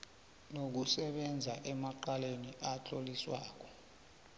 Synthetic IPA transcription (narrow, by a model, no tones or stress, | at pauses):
nok̬usɛɓɛnd͡zʱaʔɛmaǃaleniʔat͡ɬʰʼoliswaːk̬ɔ̥